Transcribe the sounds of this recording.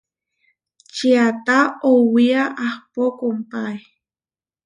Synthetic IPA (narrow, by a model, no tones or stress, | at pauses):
t͡ʃiat̪aowiaʔahpokompaj